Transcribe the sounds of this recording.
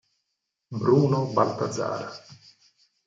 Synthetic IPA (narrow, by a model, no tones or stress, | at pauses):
bɾuːnobalt̪ad̪za̰ːɾa